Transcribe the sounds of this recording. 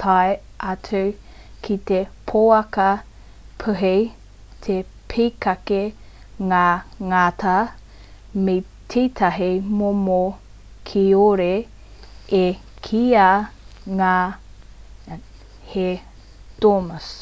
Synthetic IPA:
t̪ʰaj | ʔɐtʰu | kʰit̪epʰoːɐkɐ | pʰəɦej | t̪ʰe | pʰiːkɐke | ŋaːŋaːt̪a | me | tʰiːt̪ʰɐɦimomo | kʰioɾe | e | kʰiaŋaː | he | d̥omɐs

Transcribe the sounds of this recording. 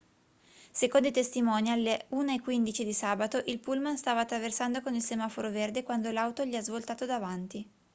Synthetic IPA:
sekond̪it̪est̪imɔnialːeuːnaekːwind̪it͡ʃid̪isaːbat̪oʔilpulmanst̪aːvaːt̪ːɾaversand̪okonilsemafoɾoverd̪ekwand̪olawt̪oʎiazvolt̪aːt̪od̪avant̪i

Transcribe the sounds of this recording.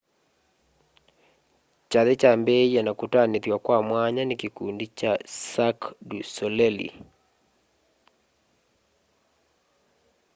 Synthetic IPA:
t͡ʃaðet͡ʃambɛianakutaneðjwakwamwaɲanekekundit͡ʃasakdusɔlɛlḭ

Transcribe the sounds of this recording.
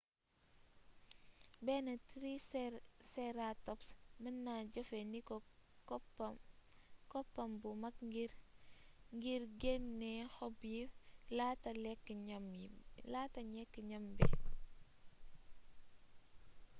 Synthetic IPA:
bɛːnɐtɾi | sɛɾatɔpsmənːaɟɔfenikɔkp | kɔpːɐmbumɐkɡiɾ | ŋɡiɾɡenːɛxɔbjilatɐlɛkːəamilatɐɲɛkːəɲɐmbɛ̰

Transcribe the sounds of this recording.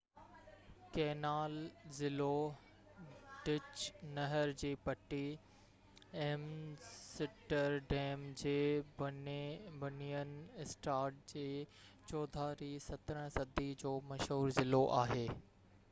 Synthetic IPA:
keːnaːlzɪlo | ɖ̥ɪt͡ɕnɐɦəɾd͡ʑiːpɐʈi | ɐɦmsɪʈəɾɖeːmd͡ʑeːbɐnbɐnijən̆ɪsʈaːɾʈ̚d͡ʑeːt͡ɕɔːd̪ʱaːɾiːsɐt̪ɾəɽ̃sɐd̪ʱid͡ʑoːmɐʃɦuːɾzɪloʔaːɦeː

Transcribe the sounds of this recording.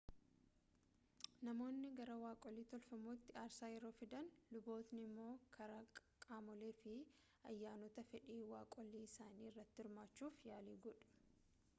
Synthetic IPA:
nɐmo̞ːnːɪɡɐɾɐwaːkʼɔlːiːt̪ɔlfɐmoːt̪ːɪaːɾsaːjɛɾo̞ːfɪd̪ɐnlʊbo̞ːt̪nɪmːo̞ːkʰɐɾɐkʼaːmɔleːfɪ | ɐjːaːnɔt̪ɐfɛᶑiːwaːkʼɔlːiːɪsaːniːɪrːɐt̪ːɪɪɾmaːt͡ʃːuːfjaːliːɡɔᶑʊ̥

